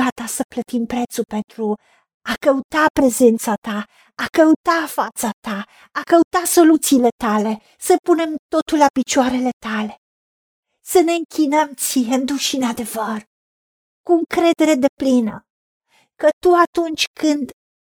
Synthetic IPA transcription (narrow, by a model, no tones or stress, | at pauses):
at̪asəplət̪impɾe̞t̪supe̞nt̪ɾu | akəut̪apɾe̞ze̞nt̪sat̪a | akəut̪afat̪sat̪aː | kəut̪aso̞lut̪siːle̞t̪ale̞ | səpune̞mt̪o̞t̪ulapit͡ʃoaɾe̞le̞t̪ale̞ | səne̞ɨŋkʲʰinəmt̪sijend̪uʃinad̪e̞vər | kuŋkɾe̞d̪e̞ɾe̞d̪e̞plinə | kət̪uat̪unt͡ʃʲkʰɨnd̪